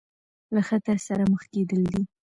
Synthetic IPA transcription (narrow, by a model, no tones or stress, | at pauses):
laxat̪əɾsaɾaməxked̪əld̪i